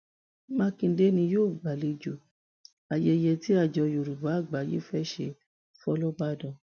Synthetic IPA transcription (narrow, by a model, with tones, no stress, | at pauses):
mã˦kĩ˧˦de˦nĩ˧joː˦˨ɡ͡ba˨le˧d͡ʒo˨ | a˨jɛ˧jɛ˧ti˦a˦˨d͡ʒɔ˧jo˨ɾu˨ba˨˦˨ɡ͡ba˨˦jḭ˦fɛ˦ʃe˧ | fɔ˦lɔ˦ɡ͡ba˦dɔ̃˧˨